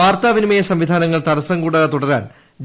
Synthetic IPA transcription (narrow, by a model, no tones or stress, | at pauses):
aːrt̪aːʋinimɐjɐsɐmʋid̪ʱaːnɐŋːɐɭt̪ɐɾɐsɐŋɡuːɽɐɐt̪uɽɐɾa̰ːn | d͡ʑ